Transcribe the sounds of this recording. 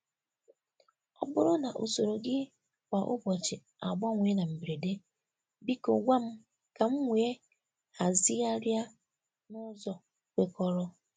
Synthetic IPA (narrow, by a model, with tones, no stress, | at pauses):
ɔ˦bʊ˦ɾʊ˦na˨ʔo̰˨so˨ɾo˨ɡɪ˦ | kʷa˨ʔʊ̰˦bɔ˨t͡ʃɪ˨ | a˨ɡ͡bɔ˦ŋʷe˨e˦na˨m̩˨bɾe˨de˦ | bi˦ko˨ɡʷa˦m̩˦ | ka˨m̩˦ŋʷe˨e˦ | ha˨zɪ˦a˦ɾja˦ | nʊ˦zɔ˨ | kʷe˨kɔ˦ɾɔ˦